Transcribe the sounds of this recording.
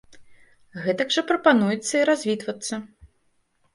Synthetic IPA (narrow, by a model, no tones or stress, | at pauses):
ɣɛt̪ɐɡʐɐpɾɐpanujɛt̪sːɐiɾazʲvʲit̪vɐt̪sːɐ